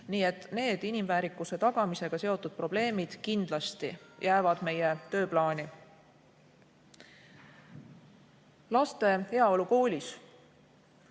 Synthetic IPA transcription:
niːe̞t̪ːˑne̞ːd̪̥inimvæːɾikːˑuse̞t̪ɑɡ̥ɑmise̞ɡ̥ɑse̞o̞t̪ːˑud̪̥̚pro̞b̥le̞ːmid̪̥kind̪̥lɑst̪ḭjʔæːvɑd̪̥me̞je̞t̪ø̞ːplɑːnʲi | lɑst̪e̞he̞ɑo̞luko̞ːlʲis

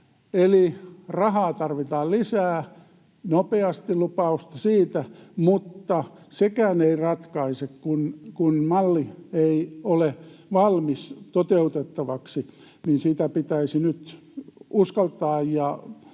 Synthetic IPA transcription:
elirɑhɑːt̪ɑrʋit̪ɑːllisæː | nopeɑst̪ilupɑust̪ɑsiːt̪æmut̪ːɑsekæːneirɑt̪kɑisekkunkunmɑlːieioleʋɑlmist̪ot̪eut̪et̪ːɑʋɑksi | ninsiːt̪æpit̪æisinyt̪ | uskɑlt̪ɑːjjɑ

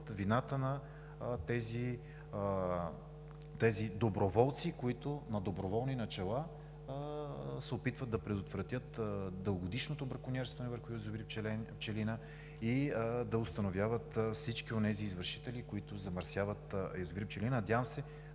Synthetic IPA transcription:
t̪vinat̪ənɐ | t̪ɛzi | t̪ɛzid̪obɾovɔlˠt̪sikoit̪ʊnɐd̪obɾovɔlˠninɐt͡ʃɛlˠa | sɛopit̪vət̪ːɐpɾɛd̪ot̪vɾɐt̪ʲjət̪d̪əlˠɡod̪iʃnot̪obɾɐkʊnʲɛɾst̪vɐnɛvəɾxʊjozvipt͡ʃpt͡ʃɛlinə | id̪ɐʊst̪ɐnovʲjavət̪fsit͡ʃkionɛziːzvəɾʃi̥t̪ɛlikoit̪ʊzɐmɐɾsʲjavət̪jozʊvɾip̚t͡ʃɛlinənɐd̪ʲjavəmsɛ

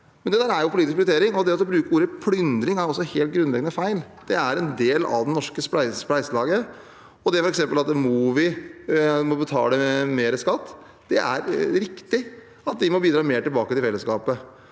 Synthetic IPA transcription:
mɛnd̪ɛd̪æːɾæɾjʊpʊlit̪ɪkʋɾət̪ʰeːɾɪŋɔd̪ɛɑt̪ːɔbɾʉːkəɾuːɾəpʰlʏnd̪ɾɪŋæɾɔsːɔheːlt̪̚ɡɾʉnlɛɡənəfæɪl | d̪̥ɛæɾɛnd̪eːlɑ̰ʋd̪ɛnnɔʂkəspæɪspæɪsəlɑːɡə | ɔd̪ɛfɔɾɛksɛmpəlɑt̪̚d̪ɛmɔuːʋɪ | mɔbət̪ʰɑ̰ːləmeːɾəskɑt̪ː | d̪̥ɛ̰ʔæ̰ɾɾɪkt̪ɪ | ɑt̪̚d̪ɪmɔbiːd̪ɾɑːmeːʈɪlbɑːkət̪ɪfɛlːəskɑːpə

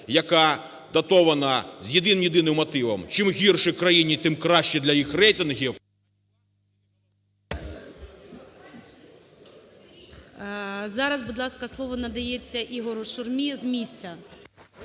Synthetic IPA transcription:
jɐkɑ | d̪ɐt̪ɔʋɐnɐzʲjed̪ɪnmjed̪ɪnɪmːɔt̪ɪʋɐmt͡ʃɪmɦʲirʃɪkɾɐjinʲit̪ɪmkɾɑʃt͡ʃɛd̪lʲɐjixrɛjt̪ɪnɦʲiw | zɑɾɐzbud̪lˠɑskɐslˠɔʋɔnɐd̪ɐjet͡sʲːɐʔiɦɔɾʊʃʊrmʲizmʲisʲt͡sʲɐ

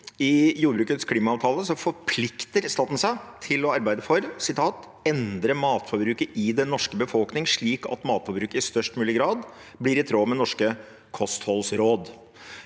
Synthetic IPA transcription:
ɪjuːɾbɾʉːkət̪skʰliːmɑːʋt̪ʰɑːləsɔfɔɾpʰlɪkt̪əɾst̪ɑːt̪n̩sæɪt̪ʰɪlɔɑɾbæɪd̪əfɔɾsɪt̪ʰɑːt̪ | ɛnd̪ɾəmɑːt̪fɔɾbɾʉːkəʔɪd̪ɛnɔʂkəbəfɔlknɪŋʂɭiːkɑ̰t̪mɑːt̪fɔɾbɾʉːkəɪst̪œʂʈmʉːlɪɡɾɑːd̪ | blɪɾɪt̪ʰɾoːmɛnɔʂkə | kʰɔst̪hɔlsɾoːd̪

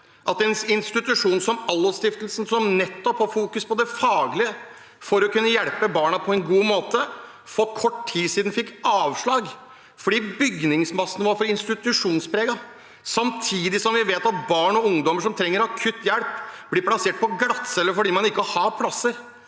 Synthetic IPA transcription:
ʔɑt̪̚ɛnɪnst̪ɪt̪ʉʂuːnsɔmɑlːəst̪ɪft̪əlsn̩sɔmnɛt̪ːɔphɑfuːkʉspʰɔd̪ɛfɑːɡlɪə | fɔɾɔkʉnːəjɛɽpəbɑːɳɑpʰɔɛnɡuːmoːt̪ə | fɔɾkʰɔʈʈʰːiːsiːd̪n̩fɪkːɑːʋʂɭɑːɡ | fɔɖiːbʏɡnɪŋsmɑsnʋɑɾfɔɾɪnst̪ɪt̪ʉʂuːnspʰɾeːɡɑ | sɑmt̪ʰiːd̪ɪsɔmʋɪʋeːt̪ɑt̪̚bɑːɳɔʊŋd̪ɔməʂɔmt̪ʰɾɛŋːəɾɑkʰʉt̪ːjɛɽpb̥lɪːpʰlɑseːʈ̚pʰɔɡɾɑt̪sɛlːəfɔɖiːmɑnɪkːəhɑpʰlɑsːəɾ

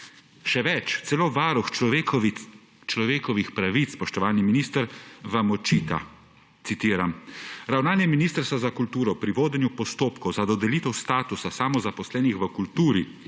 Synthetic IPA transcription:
ʃɛʋɛt͡ʃt̪sɛloːʋaːɾux | t͡ʃlɔʋeːkɔʋixpɾaʋit̪spɔʃt̪ɔʋaːlniminiːst̪əɾʋamɔt͡ʃiːt̪a̰ | t̪sit̪iːɾamɾawnaːnjɛminiːst̪əɾst̪ʋazakult̪uːɾɔpɾiʋoːd̪ɛnjupɔst̪oːpkɔwzad̪ɔd̪ɛliːt̪ɛwst̪aːt̪usasaːmɔzapɔslɛːnixʋəkult̪uːɾi

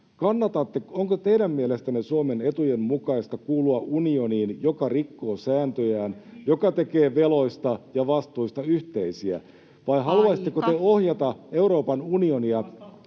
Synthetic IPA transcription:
kɑnːɑt̪ɑt̪ːeoŋkot̪e̞jdæmːielest̪ænesuome̞ne̞t̪ujemmukɑist̪ɑkuːluɑʔunio̞niːnjokɑrikːo̞ːsæːnt̪øjæːnjo̞kɑt̪e̞ke̞ːʋe̞lo̞ist̪ɑjɑʋɑst̪uist̪ɑyht̪eisiæ̰ | ʋɑiɦɑluɑsit̪ːˑekot̪eohjɑt̪ɑe̞uɾo̞ːpɑnunio̞niɑ

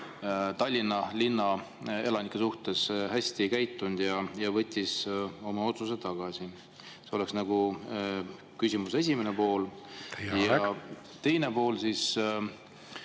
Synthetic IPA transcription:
t̪ɑlʲːinːɑlinːɑ | e̞lɑnikːˑesuht̪e̞sɦæsʲt̪ikæjt̪ːˑund̪̥jɑjɑvɤ̞t̪ʲːˑiso̞mɑo̞t̪sus̬e̞t̪ɑɡ̥ɑsi | seo̞le̞ksnɑɡ̥u | kysʲimuse̞s̬ʲimene̞po̞ːl | jɑ | t̪e̞jne̞po̞ːlsis

